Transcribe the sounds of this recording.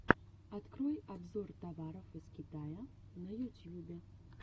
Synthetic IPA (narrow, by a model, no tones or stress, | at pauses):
at̪kɾɔjabzɔrt̪avaɾɔfɨskʲit̪ajɐ | nɐjut̪ʲjubʲɛ